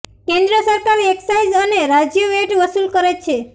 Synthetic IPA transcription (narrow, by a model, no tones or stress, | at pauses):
kẽnd̪ɾəsəɾkaɾeksaid͡ʒəneɾad͡ʒjəʋeʈʋəsulkəɾet͡ʃʰe